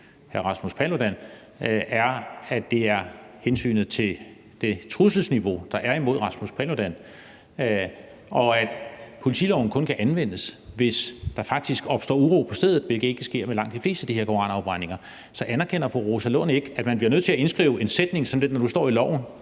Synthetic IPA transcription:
hæɐʁɑ̈smuspʰælod̥æn | æɐædd̥e̝æɐhensy̰ːnð̩ˠt͡sʰe̝l | d̥e̝t͡sʰʁusl̩sniʋo̝d̥ɑ̈ʔæɐimo̝ð̞̰ˠʁɑ̈smuspʰælod̥æn | ʔɒ̽æd̥pʰo̝lit͡sʰilɒʊn̩kʰɔ̽nkʰæʔænʋen̰əsʋe̝sd̥ɑ̈fɑ̈ɡ̥̚d̥isɡ̥ɒ̽b̥sd̥ɒ̰ːuʁo̝̰ːpʰɒ̽sd̥eð̰ˠð̩ˠʋe̝lɡ̥ð̩ˠe̝ɡ̥əsɡ̥e̝ɐ̰melɑ̈ŋ̰d̥ifle̝̰ːsd̥əd̥iheɐkʰo̝ʁɑ̈nɑ̈ʊb̥ʁɑ̈ɪ̰ne̝ŋɐ | sɒ̽ʔænæɐkʰen̰ɐfɒʁosælɔ̽ne̝ɡ̥əæd̥mænb̥liɐnøð̰ˠt͡sʰe̝æe̝nsɡ̥ʁḭːʊe̝nsed̥ne̝ŋsɒ̽md̥endɒd̥usd̥ɒ̰ːilɒ̰ʊn̩

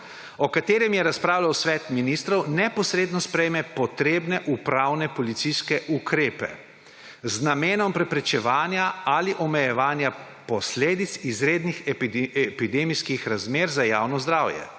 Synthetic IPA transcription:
ɔkat̪eːɾɛmjɛɾaspɾaːwlawsʋɛt̪minist̪ɾɔwnɛpɔsɾeːd̪nɔspɾɛjmɛpɔt̪ɾeːbnɛʔupɾawnɛpɔlit̪siskɛʔukɾeːpɛ̰ | znameːnɔmpɾɛpɾɛt͡ʃɛʋaːnjaaliʔɔmɛjɛʋaːnja | pɔsleːd̪it̪sizɾeːd̪nixɛpid̪eːmiskixɾazmeːɾzajaːwnɔzd̪ɾaːwjɛ̰

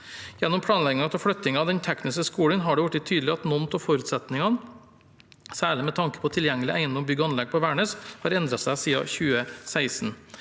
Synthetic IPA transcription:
jɛnːɔmpʰɽɑːnlɛɡɪŋɑt̪ʰɛlfɽœt̪ɪŋɑd̪ɛnt̪ʰɛknɪskəskuːɽənɦɑɖɛʋʊʈːɪt̪ʰyːd̪l̩ɪɑt̪nɔnt̪ɔfɔɾʉːt̪sɛt̪nɪŋɑn | sæːɭɪmɛt̪ʰɑŋkə̥pʰɔt̪ʰɪljɛŋːəlɪʔæɪnɔmbʏɡɑnlɛɡ̚pʰɔʋæːɳəːshɑɾɛnd̪ɾɑtsæɪsiːɑ̰çʉːəsæɪsn

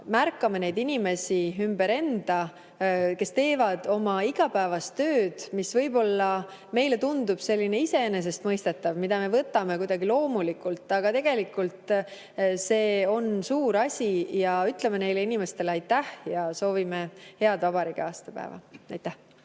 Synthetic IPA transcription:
mærkːˑɑmene̞jd̪̥inime̞sʲiymb̥e̞ɾe̞nd̪̥ɑ | ke̞st̪e̞ːvɑd̪̥o̞mɑiɡ̥ɑpæːvɑst̪ø̞ːd̪̥misvɤjbo̞lːɑ | me̞jle̞t̪und̪̥ub̥se̞lʲːine̞ise̞ene̞s̬e̞st̪mɤjst̪e̞t̪ːˑɑvmid̪̥ɑme̞vɤt̪ːˑɑme̞kujd̪̥ɑɡilo̞ːmulikːˑult̪ːˑɑɡ̥ɑt̪e̞ɡ̥e̞likːult̪ˑ | se̞ːo̞nsuːɾɑsʲijɑyt̪lemene̞jle̞inime̞st̪e̞lɑjt̪ːæhjɑso̞ːvime̞he̞ɑd̪vɑbɑɾikeɑːst̪ɑpæ̰ḛvɑ̰ɑjt̪ːˑæh

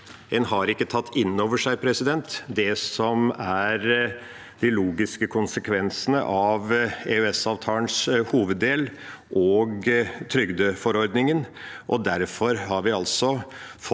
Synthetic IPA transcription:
ɛnhɑɾɪkːət̪ʰɑt̪ʰːɪnːoːʋəʂæɪpʰɾɛsɪd̪ɛnt̪d̪ɛsɔmæɾ | d̪ɪluːɡɪskəkʰʊnsəkʰʋɛnsənə̰ʔɑʋeːøɛsɑːʋt̪ʰɑːlənshuːʋəd̪ːeːl | ʔoːɡt̪ʰɾʏɡd̪əfɔɾɔɾd̪nɪŋənʔɔd̪æɾfɔɾhɑɾʋɪɑlsɔf

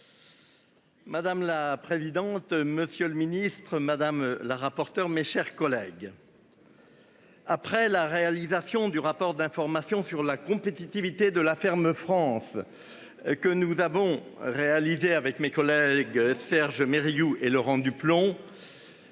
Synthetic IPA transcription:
mad̪amlapχezid̪ɑ̃t̪məsjøləminist̪χəmad̪amlaʁapɔʁt̪œʁmeʃɛʁkɔlɛɡ | apχɛlaʁealizasjɔ̃d̪yʁapɔʁd̪ɛ̃fɔʁmasjɔ̃syʁlakɔ̃pet̪it̪ivit̪ed̪əlafɛʁməfχɑ̃s | kənuzavɔ̃ʁealizeavɛkmekɔlɛɡsɛʁʒmeʁijuelɔʁɑ̃d̪yplɔ̃

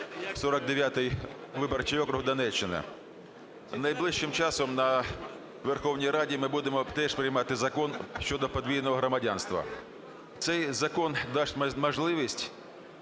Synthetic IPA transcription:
sɔɾɔɡ̚d̪eʋʲjat̪ɪjʋɪbɐrt͡ʃijɔkɾʊɦd̪ɐnɛt͡ʃːɪnɪ̰ | nɐjblˠɪʃt͡ʃɪmt͡ʃɑsɔmnɐ | ʋerxɔwnʲijɾɑdʲimɪbud̪emɔt̪ɛʂpɾɪjmɑt̪ɪzɐkɔnʃt͡ʃɔd̪ɔpɔd̪ʲʋʲijnɔɦɔɦɾɔmɐdʲanst̪ʋɐ̰ | t̪sɛjzɐkɔnd̪ɑʃtʲmɐʒlˠɪʋʲisʲtʲ

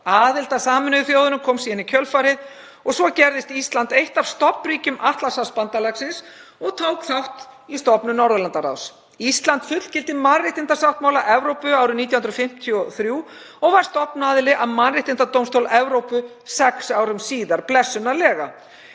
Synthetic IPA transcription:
aːðɪlt̪asaːmʏnʏðʏθjowðʏnʏmkʰɔːmsiːðɪnicʰœlfaɾɪð | ɔɣsvɔcɛɾðɪst̪ist̪lant̪ejht̪av̥st̪ɔpmriːcʏmʔaht̪lasawspant̪alaksɪnsɔɣt̪ʰowkθawht̪ist̪ɔpnʏmnɔɾðalant̪aɾa̰ws | ist̪lant̪fʏt̪l̥cɪlt̪ɪmanrɪht̪ɪnt̪asawht̪mawlaʔɛvɾowpʏaːwɾʏmnit̪jahʏnɾɔfɪm̥t̪ʰiɔθɾjuː | ɔɣvaɾ̥st̪ɔpnaðɪlɪʔaðmanrɪht̪ɪnt̪at̪owmst̪owlʔɛvɾowpʏ | sɛksawɾʏmsiːðaɾplɛsːʏnalɛːɣa̰

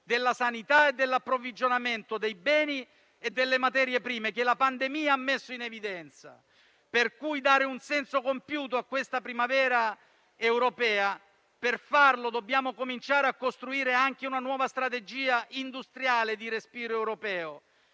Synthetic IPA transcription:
d̪elːasanit̪aed̪ːelːapːɾovid͡ʒonament̪od̪ejbɛːni | ed̪ːelːemat̪ɛːɾjepɾiːmek̟elapand̪emiːaamːesːoinevid̪ɛnt̪sa̰ | perkujd̪aːɾeunsɛnsokompjuːt̪oakːwest̪apɾimavɛːɾa | ewɾopɛːa | perfarlod̪obːjaːmokomint͡ʃaːɾeakːost̪ɾuiːɾeaŋk̟eunanwɔːvast̪ɾat̪ed͡ʒiːaʔind̪ust̪ɾjaːled̪iɾespiːɾoɛwɾopɛːo

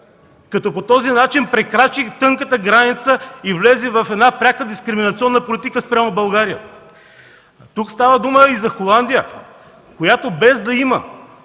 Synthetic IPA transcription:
kɐt̪ɔpot̪ɔzinat͡ʃinpɾɛkɾat͡ʃit̪ɤŋkət̪əɡɾanit̪səivlɛzɛvɐfɛd̪napɾʲakəd̪iskɾiminɐt̪siɔnːəpolit̪ikəspɾʲamobɐlˠɡaɾiə̰ | t̪ukst̪avəd̪uməizɐxolˠand̪ijə | kojat̪obɛzd̪ɐimə̰

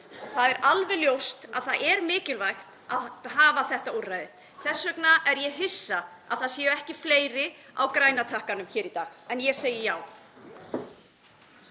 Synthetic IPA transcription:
θaðɛɾalvɛljowst̪aðθaðʔɛɾmɪːcɪlvajxt̪aðɦaːvaθɛht̪aurːajðɪ | θɛsːœknaʔɛɾjɛɦɪsːa | aðθaðsjɛːʏɛhcɪfleːjɾɪa̰wkɾaːjnat̪ʰahkanʏmçɪːɾit̪aːxɛnjɛseːjɪjaːw

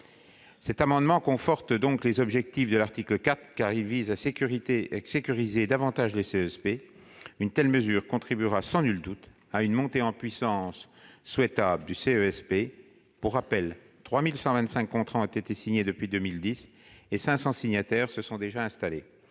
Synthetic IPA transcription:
sɛt̪amɑ̃d̪mɑ̃kɔ̃fɔʁt̪d̪ɔ̃klezɔbʒɛk̚t̪ifd̪əlaʁt̪ikləkat̪χkaʁilvizaʁisekʲyʁized̪avɑ̃t̪aʒleseɛspe | ynt̪ɛlməzyːʁkɔ̃t̪χibyʁasɑ̃nyld̪ut̪ | aynmɔ̃t̪eɑ̃pɥisɑ̃sː | wɛt̪abld̪yseøɛspe | puʁapɛl | t̪χwamilsɑ̃vɛ̃nt̪sɛ̃kːɔ̃t̪χɑ̃ɔ̃t̪et̪esiɲed̪əpɥid̪ømild̪is | esɛ̃sɑ̃siɲat̪ɛʁsəsɔ̃d̪eʒaɛ̃st̪ale

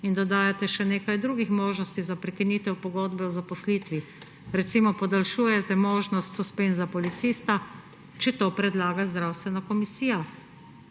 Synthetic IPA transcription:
ind̪ɔd̪aːjat̪ɛʃɛneːkajd̪ɾuːɡixmoːʒnɔst̪izapɾɛkiniːt̪ɛwpɔɡoːd̪bɛwzapɔsliːt̪ʋi | ɾɛt̪simɔpɔd̪alʃuːjɛt̪ɛmoːʒnɔst̪sɔspeːnzapɔlit̪siːst̪a | t͡ʃɛt̪oːpɾɛd̪laːɡazd̪ɾawst̪ʋɛnakɔmisiːja

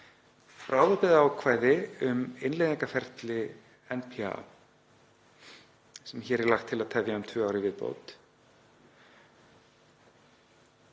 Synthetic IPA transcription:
fɾʔaːwðɔpɪðaaːwkʰvaːjðɪʏmɪnlejðĩŋkafɛr̥t̪lɪ | ɛnpʰia̰ | sɛmçɛɾɛɾlaxt̪ʰːɪlaðt̪ʰɛvjaʏmt̪ʰvœːaːwɾɪvɪðpo̰wt̪

